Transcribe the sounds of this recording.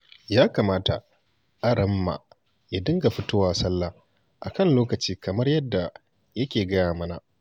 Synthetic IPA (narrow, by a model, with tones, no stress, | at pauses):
jaː˦kaː˨maː˦ta̰˨ | ʔa˦ɾɐ˦mːa̰˨ | ja˦dɪ˦ŋɡa˨ɸɪ˦tʊ˦waː˨sɐ˦lːaː˨ | ʔa̰˨kɐ˦nloː˦kɐ˨t͡ʃiː˦kɐ˨mɐ˦rjɐ˦dːa˨ | jɐ˦kʲeː˨ɡɐ˦jaː˨mɐ˦na̰˨